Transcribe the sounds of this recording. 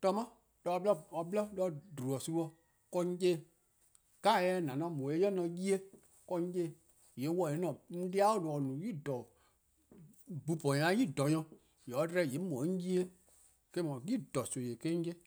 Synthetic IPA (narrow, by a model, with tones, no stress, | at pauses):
tɔ˧mã˦ | dɔ˧˦blɔ˦ɔ˧blɔ˦lɔ˦dɾu˨ɔ˨su˧˦ɔ˧ | kɔ˧ɲ̩˦d͡ʒe˦˨ | ka˦˨jɛ˦n˨ã˨nɔ̃˧˦mɔ̃˨e˦jɔ˦nɔ̃˧ji˦e˦ | kɔ˧ɲ˦d͡ʒe˦˨ | je˨˦wɔ˧˨e˨˦nɔ̃˨n̩˦di˦a˦o˦˨lo˨ɔ˨nũ˨ji˦˨dɔ˨ | bu˨pɔ˨ã˨˦ji˦˨dɔ˨ɲɔ̃˧ | je˨ɔ˨˦dɾɛ˦˨je˨˦mɔ̃˨˦ɲ̩˦d͡ʒi˦e˦ | ke˦mɔ̃˨ji˦dɔ˨so˨je˨ke˦ɲ̩˦d͡ʒe˦